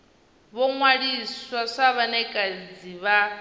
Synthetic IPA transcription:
βɔŋwaɺiswaʂaβanɛkʼad͡ziβa

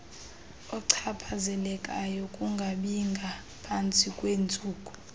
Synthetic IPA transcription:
ɔǀʰapʰazɛlɛkʼajɔkʼuŋɡʱaɓiŋɡʱa | pʰant͡sʼikʼwend͡zʼʱuːkʼu

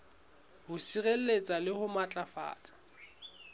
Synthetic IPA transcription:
hʊsiɣel̩let͡sʼalɪhʊmat͡ɬʼafa̰ːt͡sʼḁ

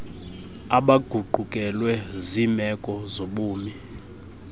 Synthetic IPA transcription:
aɓaɡ̥ʱuɡ͡ǃʱukʼɛlwɛzimɛkʼɔzoɓuːmi

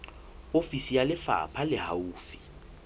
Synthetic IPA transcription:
ofisijalɪfa̰pʰalɪhauːfi̥

